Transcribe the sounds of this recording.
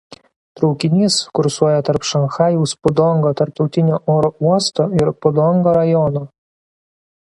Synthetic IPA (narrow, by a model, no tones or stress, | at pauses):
t̪ɾɔʊkʲɪnʲiːskʊɾsuɔjɛt̪ɐɾpʃɐnxɑːjuːspʊd̪ɔŋɡoːt̪ɐɾp̚t̪ɒʊt̪ʲɪnʲoːʔoːɾouɔst̪oːɪɾpʊd̪ɔŋɡoːɾɐjɔnoː